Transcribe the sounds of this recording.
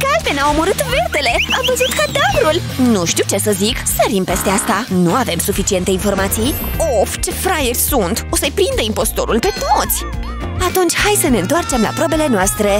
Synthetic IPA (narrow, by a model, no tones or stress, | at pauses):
kalvenao̞moɾɨt̪vert̪e̞le̞avəzut̪kad̪avɾul | nuʃt̪iwt͡ʃe̞səziksəɾimpe̞st̪e̞ast̪anuave̞msufit͡ʃie̞nt̪e̞info̞rmat̪sij | oft͡ʃe̞fɾajerʲsunt̪o̞səjpɾind̪əimpo̞st̪o̞̰ɾulpe̞t̪ot̪sʲ | at̪unt͡ʃʲhajsəne̞ɨnt̪oart͡ʃe̞mla̰pɾo̞be̞le̞noast̪ɾe̞